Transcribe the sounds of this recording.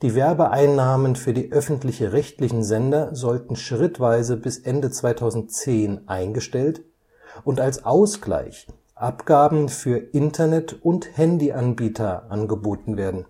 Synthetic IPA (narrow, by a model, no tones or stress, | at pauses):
d̥iːvɛɐbəʔaɪnːaːmənfyːɐdiːʔœfn̩tlɪçʁɛçtlɪçn̩zɛndɐzɔltn̩ʃʁ̥ɪtv̥aɪzəbɪsʔɛndət͡sv̥aɪtʰaʊzn̩tt͡seːnʔaɪnɡəʃtɛlt | ʔʊntalsʔaʊsɡ̥la̰ɪç | ʔapɡ̥aːbm̩fyːɐʔɪntʰɐnɛtʊnthɛndiʔanbiːtʰɐʔanɡəboːtn̩veːɐdn̩